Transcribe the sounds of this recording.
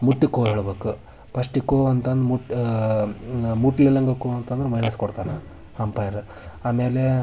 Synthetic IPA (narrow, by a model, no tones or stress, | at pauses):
muʈːikːoːɦeːɭbeːku | pɐʂʈikːoːɐnt̪ɐnd̪ɾuʈ | muʈililɐŋɡɐkːoɐnt̪ɐnd̪ɐɾemɐjnɐskɔɽt̪aːne | ɐmpaːjɾu | aːmeːle